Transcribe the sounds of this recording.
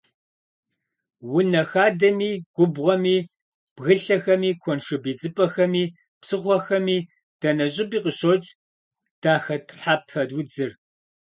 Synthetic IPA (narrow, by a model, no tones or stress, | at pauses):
wʊnɐxaːdɐmiːɡ̥ʷʊbʁʷɐmiː | b̥ɣɨɬɐxɐmiːkʷʰɔnʂɨbiːt͡sʼɨpʼɐxɐmiː | psɨχʷɔxɐmiː | d̥ɐnɐɕʼɪbiːqəɕot͡ʃʼ | d̥aːxɐtʰħaːp̚txɐdwʊd͡zɨr